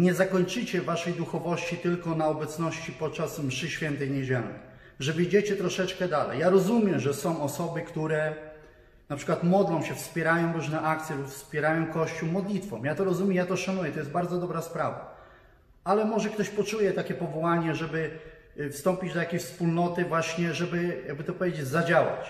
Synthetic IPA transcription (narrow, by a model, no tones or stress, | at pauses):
ɲɛzakɔɲt͡ʂɘt͡ɕɛvaʂɛjd̪uxɔvɔɕt͡ɕit̪ɘlkɔnaɔbɛt̪snɔɕt͡ɕipɔt̪̚t͡ʂasmʂɘɕfʲjɛnt̪ɛjɲɛd͡ʑɛlnɛ̰ | ʐɛvəd͡ʑet͡ɕɛt̪ɾɔʂɛt͡ʂkɛd̪alɛ̰jaɾɔzumʲjɛʐɛsɔ̃w̃ɔsɔbɘkt̪uɾɛ | napʂɘkwat̪mɔd̪lɔ̃w̃ɕɛfspʲjɛɾajɔ̃w̃ɾuʐnɛʔakt̪sʲjɛlupfspʲɛɾajɔ̃w̃kɔɕt͡ɕuwmɔd̪lʲit̪fɔ̰̃mjat̪ɔɾɔzumʲɛmjat̪ɔʂanujɛt̪ɔjɛst̪baɾd̪zɔd̪ɔbɾaspɾava̰ | alɛmɔʐɛkt̪ɔɕpɔt͡ʂujɛt̪akʲɛpɔvɔwaɲɛʐɛbɘ | fst̪ɔmpʲid͡ʑd̪atjakʲejɕfspulnɔt̪ɘvwaɕɲɛʐɛbɘjaɡ̚bɘt̪ɔpɔvjed͡ʑed͡ʑzad͡ʑawa̰t͡ɕ